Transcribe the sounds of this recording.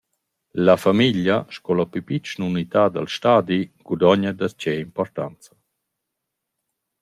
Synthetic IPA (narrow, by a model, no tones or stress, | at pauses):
lafamiʎjaʃkɔlapypit͡ʃnunit̪aːd̪a̰lʃtaːd̪iɡudɔɲad̪ast͡ɕɛimpɔɾt̪ant͡sḁ